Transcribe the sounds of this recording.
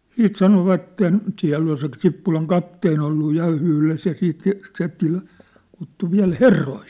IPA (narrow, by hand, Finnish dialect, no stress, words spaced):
siːt sɑnoʋɑtːen siæ̝lː ol se sipːulɑŋ kɑpteːn olːu jɑ yhles jɑ siːt se se ty kutːu ʋiæ̝l herːoi